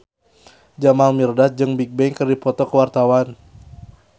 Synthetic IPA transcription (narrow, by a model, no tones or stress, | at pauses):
d͡ʒamalmirdat̪̚d͡ʒɨŋbik̚bɛŋkərdipɔt̪ɔkəwart̪awan